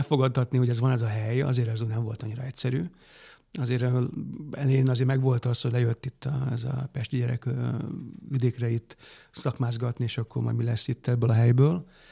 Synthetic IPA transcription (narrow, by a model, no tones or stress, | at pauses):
ɛfo̞ɡɒd̪ɒt̪niho̞ɟɛzʋɒnɛzɒɦɛjɒ̰zeːɾɛzuːnɛɱvo̞lt̪ɒɲːiɾɒɛcʲsɛɾy̰ː | ɒzeːɾ | ɛlɛenɒzeːɾmɛɡʋo̞lt̪ɒshoɟlɛjøt̪ːit̪ːɒ̰ɛzɒ̰pɛʃt̪iɟɛɾɛ̰k | ʋid̪eːkrɛit̪ːsɒkmaːzɡɒt̪nieːʃɒkːo̞rmɒ̰jmilɛsːit̪ːɛbːøːlɒɦɛjbøːl